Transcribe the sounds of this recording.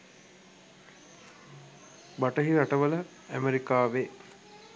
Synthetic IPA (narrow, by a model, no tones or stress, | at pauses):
baʈəɦiɾaʈəʋələ | æmeɾikaːʋe